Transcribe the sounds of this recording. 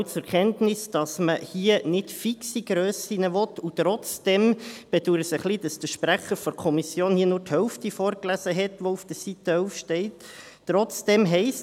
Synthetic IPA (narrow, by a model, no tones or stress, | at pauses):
t͡sʊɾkʰɛntnɪsd̥ɑsməhiənɪtfiksiɡɾøːsinəʋɔtut̪ɾɔt͡sd̥ɛmb̥ɛduɾəsəχlid̥ɑsd̥əʃpɾæχəɾfɔɾkʰɔmisjoːnhiːənʊːrthœwftifɔːɾklæsəɦɛtʋoufd̥əsit̪ːəœʊfʃtɛɪtː | ɾɔt͡sd̥ɛmɦɛɪs